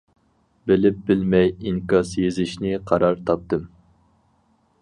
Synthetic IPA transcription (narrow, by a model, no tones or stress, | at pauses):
bɪlɪp̚bɪlmɛjiŋkɑsjezɪʃnɪqʰɑɾɑɾt̪ʰɑp̚t̪ɨm